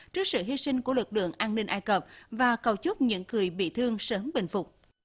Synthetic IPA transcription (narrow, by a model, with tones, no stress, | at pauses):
t͡ɕɨ˦˥ək̚sɨ̰˧˨ɦi˧sï˧ŋ̟ku˧˩əlɨ˨˩k̚lɨ̰˧˨əŋʔaː˧nnï˧ŋ̟ʔaː˧jkəː˨˩p̚vaː˨˩kə˨˩wt͡ɕʊ˦˥k͡p̚ɲɨ̰˧˥ŋkɨ˨˩əjɓḭ˧˨t̪ʰɨ˧əŋsəː˨˦mɓï˧˨˩ŋ̟fʊ˨˩k͡p̚